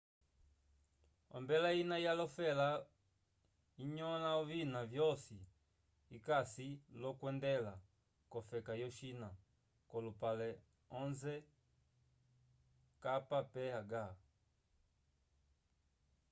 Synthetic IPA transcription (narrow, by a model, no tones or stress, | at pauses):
ɔ̰mbɛlainajalɔfɛla | iɲɔnaɔvinavjɔsi | ikasilɔkwɛndɛla | kɔfɛkajɔʃina | kɔlupalɛ | ɔnzɛ | kapapɛaɡa